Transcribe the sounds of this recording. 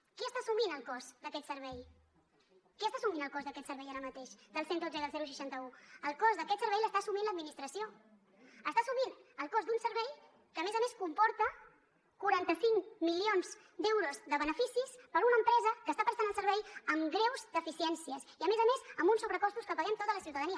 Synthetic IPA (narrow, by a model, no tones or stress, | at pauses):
kɛəst̪asuminəlˠkɔzd̪əkɛt̪səɾβɛj | kɛst̪asuminəlˠkɔzðəkɛt̪səɾβɛjaɾəmət̪eʃd̪əlˠsend̪od͡zəðəlˠzɛɾus̬əʃant̪əuəlˠkɔzðəkɛt̪səɾβɛjləst̪asuminləd̪minist̪ɾəsio | əst̪asuminəlˠkɔzd̪unsəɾβɛj | kəːmezəmeskumpɔɾt̪ə | kuɾant̪əsiŋmilionz | d̪ɛwɾuzðəβənəfisispəɾunəmpɾɛzəkəst̪apɾəst̪anəlˠsəɾβɛjəmɡɾɛwzd̪əfisiɛnsiəsiəmezəmezəmbunsuβɾəkɔst̪uskəpəɣɛmt̪ot̪ələsiuwt̪əðəniə